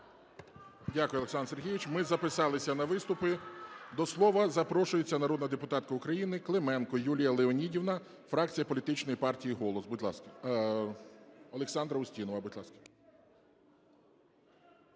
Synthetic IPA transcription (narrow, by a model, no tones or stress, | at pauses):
dʲakʊjʊɐleksɑnrserɦʲijʋɪt͡ʃmɪzɐpɪsɑlˠɪsʲɐnɐʋɪst̪ʊpɪd̪ɔslˠɔʋɐzɐpɾɔʃʊjet͡sʲːɐnɐɾɔd̪nɐd̪epʊt̪ɑt̪kɐʊkɾɐjinɪklˠemɛnkɔjulʲijɐlˠeɔnʲidʲiwnɐ | fɾɑk̚t͡sʲijɐpɔlʲit̪ɪt͡ʃnɔjipɑrtʲijiɦɔlˠɔsbʊdʲlˠɑ̰skɐ | ɔlˠeksɑnd̪ɾɐʊsʲtʲinɔʋɐbʊdʲlˠɑskɐ̥